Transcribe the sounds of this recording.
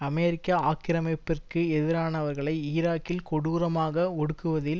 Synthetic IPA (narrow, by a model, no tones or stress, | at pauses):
ɐmeːɾɪkːɐaːkɪɾɐmɐpːɪrkɯɛðɪɾaːnɐʋɐɾɣɐɭɐɪɪɾaːkːɪlkɔɽuːɾɐmaːɣɐɔɽɯkːɯʋɐðɪl